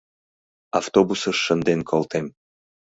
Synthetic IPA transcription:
aft̪obusəʃːənd̪enkʰolˠt̪em

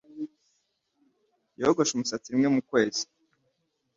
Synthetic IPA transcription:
joɡo̞ʃumusat͡siɾimŋe̞mukwe̞ːzi̥

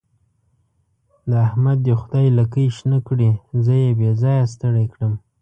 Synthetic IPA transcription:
laahmad̪ːexʊd̪ɑjlakəjʃnəkɽizəjebezɑjas̬t̪əɽajkɽəm

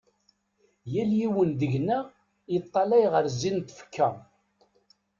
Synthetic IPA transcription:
jæljiwənd̪əʝnæ | ət̪ˤːɑlæjʁəɾzːint̪fə̥kʰːæ

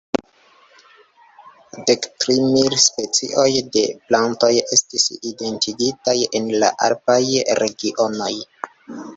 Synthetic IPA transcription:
de̞ktɾimilspe̞t͡sḭʔo̞jde̞planto̞je̞stiside̞ntiɡitajenla̰ʔa̰ɾpajɾe̞ɡiʔo̞no̞j

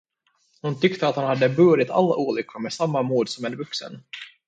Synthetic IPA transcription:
hʊnt̪ʏkt̪əat̪hanhad̪ːəbɵːɾɪt̪ʰa̰lːa̰ʔuːlʏkʰːəmɛsamːamuːd̪sɔmɛnvɵksə̰n

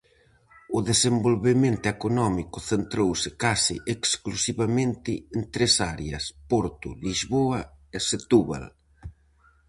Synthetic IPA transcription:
ʊðesembolβemẽnt̪ʊekonɔmikʊθent̪ɾowsɪkasɪʔeksklusiβamẽnt̪ɪent̪ɾesaɾeɐspoɾt̪ʊ̰lizβoɐeset̪uβa̰l

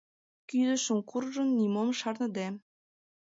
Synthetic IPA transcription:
kyd̪ə̆ʃə̆mkurʒə̆nːimomʃɑrnɤ̆d̪æm

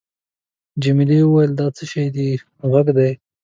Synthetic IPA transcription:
d͡ʒamɪliuwajəld̪ɑt͡səʃajd̪i | ɣaɡd̪aj

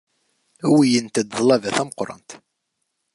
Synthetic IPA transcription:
æwijənt̪æd̪ðˤlævæθæməqɾˤɑ̰nt̪

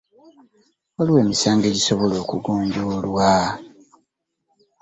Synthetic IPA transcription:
oliweːmisaːŋɡe̞ɟiso̞βo̞lo̞ːkuɡoːɲɟuːlwa

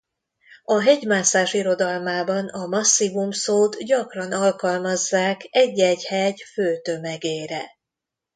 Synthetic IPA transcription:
ɒɦɛɟmaːsaːʃiɾo̞d̪ɒlmaːbɒnɒmɒsːimumsoːt̪ɟɒkrɒnɒlkɒlmɒzːaːkɛɟːɛɟhɛɟføːt̪ø̞mɛɡeːɾɛ

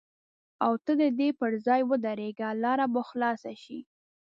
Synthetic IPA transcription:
awt̪əd̪əd̪epəɾzɑjwəd̪aɾeɡalɑɾaməxlɑsaʃi

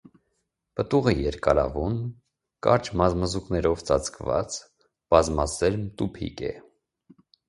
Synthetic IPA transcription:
pət̪uʁəjɛɾkɑɾɑ̰vun | kɑ̰ɾt͡ʃʰmɑzməzuknɛɾɔvt͡sʰɑt͡sʰkʰvɑ̰t͡s | b̥ɑzmɑsɛɾmt̪upʰḭkɛ̰

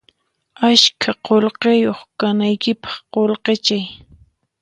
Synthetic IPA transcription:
aʃkʰaqolqejoχkanajkɪpɑ̥χqolqet͡ʃaj

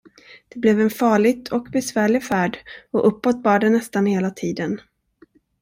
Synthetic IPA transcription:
d̪̥ɛblɛvɛnfɑːɭɪɡʰɔkbɛsvæːɭɪɡfæːɖɔʔɵpːɔt̪̚ːbɑːɖɛnɛst̪anheːlat̪ʰiːd̪ən

